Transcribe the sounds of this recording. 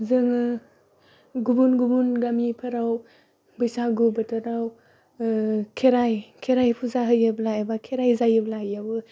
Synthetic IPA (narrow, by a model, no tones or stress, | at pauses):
zɯŋɯ | ɡubunɡubunɡamipʰɯɾaw | bɯjsaɡubɯtɯɾaw | kʰeɾajkʰeɾajpʰuzaɦɯjɯblaebakʰeɾajzajɯblaɦjawɯ